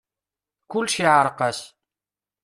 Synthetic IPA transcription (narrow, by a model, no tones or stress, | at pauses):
kʊlːʃiʕɾˤəqæs